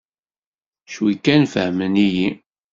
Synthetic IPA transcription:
ʃwikːænfəhməniji

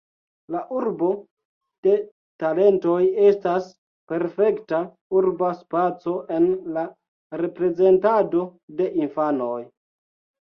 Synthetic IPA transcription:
laʔuɾbo̞ | d̥e̞ | tale̞nto̞je̞stas | pe̞ɾfe̞kta | uɾbaspat͡so̞ʔe̞nla | ɾe̞pɾe̞ze̞ntado̞de̞ʔinfano̞j

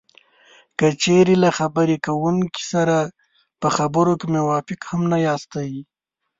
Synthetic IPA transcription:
kət͡ʃeɾelaxabəɾekawuŋki̥saɾa | pəxabəɾokemʊwɑfɪkhamnajɑːst̪awi

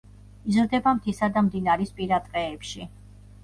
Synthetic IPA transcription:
izɾd̪ɛbamt̪ʰisad̪amd̪inaɾispʼiɾad̪ʼqʼɛːpʃi

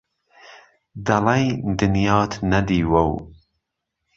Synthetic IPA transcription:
d̪ɐlɛjd̪ɨnjɑːt̪ʰnɐd̪iːwɐw

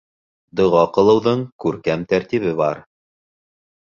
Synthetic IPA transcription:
d̪ŏʁɑqɤ̆lˠɤ̆wðɤɴkʉɾkæmt̪æɾt̪iβɘβɑɾ

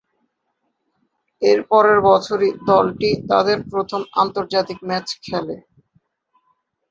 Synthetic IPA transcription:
eɾpɔɾeɾbɔt͡ɕʰoɾid̪ɔlʈit̪a̰d̪eɾpɾot̪ʰoma̰nt̪oɾd͡ʑat̪ik̚mɛt͡ɕkʰɛle

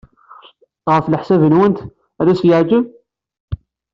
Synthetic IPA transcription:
t̪ˤʁəfləħsæbənwənt̪ | æðæsjəʕd͡ʒəb

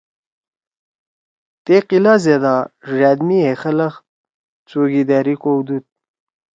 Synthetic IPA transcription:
t̪eqilazed̪aʐad̪miexələx | t͡soɡid̪aːɾikowd̪ut̪̚

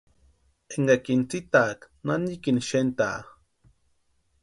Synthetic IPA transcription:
eŋɡakint͡sit̪ak | nanikinʃent̪a̰ː

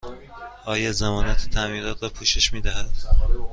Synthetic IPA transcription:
ɒːjezemɒːnæt̪ʰe̥t̪ʰæmiːɾɒːt̪ɾɒːpʰuːʃeʃmiːd̪æhæd̪̥

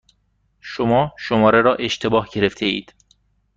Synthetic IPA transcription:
ʃomɒːʃomɒːɾeɾɒːʔe̞ʃt̪ʰe̞bɒːhɟe̞ɾeft̪ʰe̞ḭːd̪̥

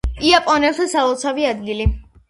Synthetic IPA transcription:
iapʼɔnɛlˠt̪ʰasaɔlt̪sʰaviad̪ɡili

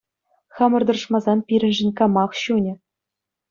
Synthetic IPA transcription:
χɑmɤ̆rd̪ɤ̆r̆ʂmɑzɑnpʲiɾʲɘ̆nʲʒɘ̆nʲkɑmɑχɕunʲɘ̆

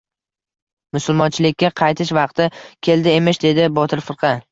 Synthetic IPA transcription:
mʊsʊlˠmɒnt͡ʃʰɪlɪkʲːaqʰɑjt̪ʰɪʃvɑq̚t̪ʰɪkʲʰe̞ld̪ɪe̞mɪʃd̪e̞d̪ɪbɒt̪ʰɪɾfɪɾqʰɑ

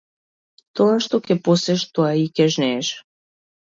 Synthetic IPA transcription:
t̪oaʃt̪okʲɛposɛʃt̪oaikʲɛʒnɛːʃ

